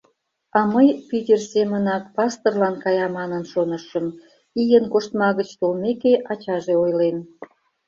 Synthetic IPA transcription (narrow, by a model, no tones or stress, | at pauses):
ɑməjpitʲersemənɑk̚pɑst̪orlɑnkɑjɑmɑnənʃonəʃəm | ijənkoʃt̪mɑɣət͡ɕt̪olmekeʔɑt͡ɕɑʒeojlen